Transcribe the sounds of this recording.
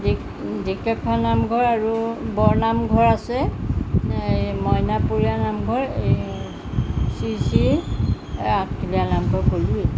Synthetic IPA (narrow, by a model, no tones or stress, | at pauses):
di | dikɛpʰːɔnamɡʱɔɹaɹubɔɹnamɡʱɔɹasɛ | ejmɔjnapuɹianamɡʱɔɹej | sisiɹ | atkʰilijanamkɔɹkoluɛ